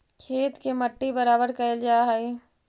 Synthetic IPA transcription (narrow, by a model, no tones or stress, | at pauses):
kʰeːt̪keməʈːibəɾaːbəɾkɐld͡ʒaːɦəi